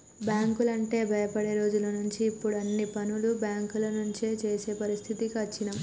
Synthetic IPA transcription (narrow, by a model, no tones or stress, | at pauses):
bjaːŋkulɐɳʈe̞ːbʱɐjɐpɐɽe̞ːɾo̞ːd͡ʒulɐnuɲt͡ʃiːpːuɽɐnːipɐnulubjaːŋkulɐnuɲt͡ʃeːt͡ʃe̞ːse̞ːpɐɾist̪ʰit̪ikɐt͡ʃːinɐm